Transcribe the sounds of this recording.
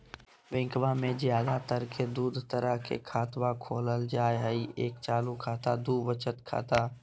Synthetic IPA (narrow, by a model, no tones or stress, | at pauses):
ʋɪ̃ŋkʋamẽzjaːd̪at̪əɾkʰed̪uːd̪ʱt̪əɾəɦkʰḛkʰaːt̪ʋakʰoːləld͡ʒaːeɦəieːkt͡ʃaːlukʰaːt̪ad̪uːʋət͡ʃət̪kʰa̰ːt̪aː